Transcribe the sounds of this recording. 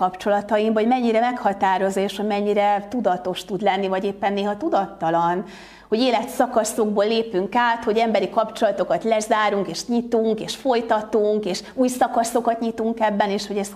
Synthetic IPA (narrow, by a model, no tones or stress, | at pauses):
ɒpt͡ʃo̞lɒt̪ɒjimvɒɟmɛɲːiɾɛmɛkhɒt̪aːɾo̞zoeːʃhoɟmɛɲːiɾɛt̪ud̪ɒt̪o̞ʃt̪ud̪lɛnːivɒɟeːpːɛnːeːɦɒt̪ud̪ɒt̪ːɒlɒn | ho̞ɟeːlɛt̪sɒkɒso̞ɡ̚boːlːeːpyŋkaːt̪ho̞ɟɛmbɛɾikɒpt͡ʃo̞lɒt̪o̞kɒt̪lɛzaːɾuŋkeːʃɲit̪uŋkeːʃfo̞jt̪ɒt̪uŋkeːʃuːjsɒkɒso̞kɒt̪ɲit̪uŋkɛbːɛneːʃho̞ɟɛz̥